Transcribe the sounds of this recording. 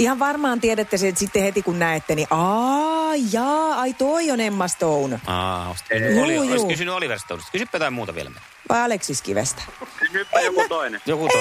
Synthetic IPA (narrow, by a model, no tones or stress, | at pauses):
ihɑʋʋɑrmɑːnt̪iɛɾæt̪ːæsesit̪ːehet̪ikunnæet̪ːæniʔɑ | ijɑːɑit̪oionemːɑst̪ounɑ̰juːjuːkysynyoliʋerst̪ːˑɑ̰ˑusest̪kysypːæt̪ɑimmuːt̪ɑʋḭḛlæmḛnː | ʋʔɑ̰iɑleksiskḭʋḛst̪æ̥kysypːjokut̪oinejoku